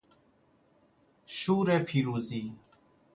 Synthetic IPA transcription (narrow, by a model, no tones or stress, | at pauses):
ʃuːɾeːpʰiːɾuːziː